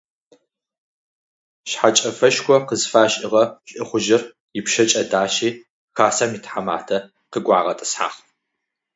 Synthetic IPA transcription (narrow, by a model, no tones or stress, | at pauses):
ɕħat͡ʃʼɐfɐʃkʷʰɔqəzfaːɕʼɪʁɐɕʼʔɪχʷʊʒɪr | jɪpʃɐt͡ʃʼɐdaːʃiː | xaːsaːmiːtħama̰ːtʰɐ | qəɡʷɑːʁɐtʼɨ̥sħa̰ːχ